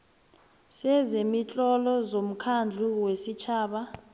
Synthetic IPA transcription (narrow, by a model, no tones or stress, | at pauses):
sɛzemit͡ɬʼɔlɔzom̩kʰand͡ɮʱuwesit͡ʃʰaːɓa